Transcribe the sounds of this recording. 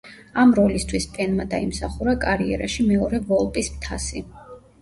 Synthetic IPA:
amɾɔlist̪ʰwispʼɛnmad̪aimsaχuɾakʼaɾiɛ̰ɾaʃimɛɔɾɛvɔlˠpʼismt̪ʰa̰si

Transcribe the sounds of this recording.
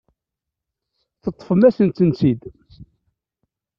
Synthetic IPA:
θət̪ˤːfəmæsənt̪ːənt͡sid̪

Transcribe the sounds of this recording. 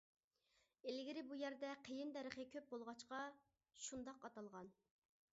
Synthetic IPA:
elɪɡʲɪɾɪbujæɾd̪ɛqʰəjɪnd̪ɛɾəχəkʲʰøp̚bolˠʁɑt͡ʃqɑ | ʃund̪ɑqɑt̪ɑlˠʁɑn

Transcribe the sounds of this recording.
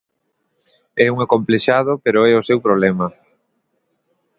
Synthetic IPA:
ɛuŋakompleʃaðopeɾoɛosewpɾoβlɛmɐ

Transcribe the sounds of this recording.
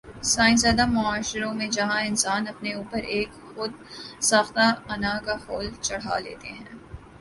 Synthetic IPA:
saːɪ̃ns̬eːd̪amʊaːʃɪɾõmẽd͡ʒɐɦãɪnsaːnɐpneuːpəɾeːk | xʊd̪̚ | saːxt̪aɐnakahoːlt͡ʃɐɽ̤a̰lḛːt̪eɦɛ̰̃ː

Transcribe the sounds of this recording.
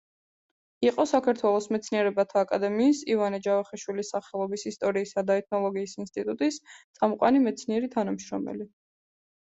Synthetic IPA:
iqʼɔsakʰaɾt̪ʰwɛlˠɔsmɛt̪sʰniɛɾɛbat̪ʰaːkʼad̪ɛmiːsivanɛd͡ʒavaχɛʃwilisːaχɛlˠɔbisist̪ʼɔɾiːsad̪aɛt̪ʰnɔlˠɔɡiːsinst̪ʼit̪ʼut̪ʼist̪sʼamɔqʼa̰nimɛt̪sʰniɛɾit̪ʰanamʃɾɔ̰mɛ̰li

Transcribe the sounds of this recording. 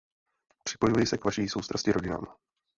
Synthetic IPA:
pr̝̥ɪ̥po̞juvjɪsɛkvaʃiːso̞wst̪ɾascɪɾo̞ɟɪna̰ːm

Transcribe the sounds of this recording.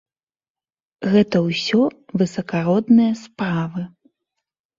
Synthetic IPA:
ɣɛt̪ɐwsʲɔvɨsɐkaɾɔd̪nɨjɐspɾavɨ

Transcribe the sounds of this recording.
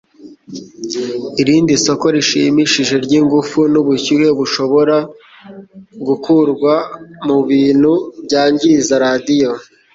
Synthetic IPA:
iɾiːndiso̞ko̞ɾiʃḭmiʃiʒe̞ɾɟiŋɡufunuβuçuwe̞βuʃo̞βo̞ɾa | ɡukuɾɡwamuβiːn̥hubɟaːɲɟizaɾaːdijo̞

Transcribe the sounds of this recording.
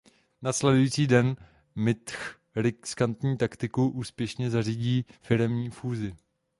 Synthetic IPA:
naslɛdujiːt͡siːdɛn | mɪt̪x | ɾɪskant̪ɲiːt̪akt̪ɪkuʔuːspjɛʃɲɛzariːɟiːfɪɾɛmɲiːfuːzɪ

